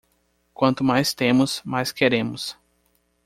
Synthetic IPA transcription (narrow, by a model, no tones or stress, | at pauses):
kwɐ̃nt̪ʊmajst̪ẽmʊsmajskeɾẽmʊs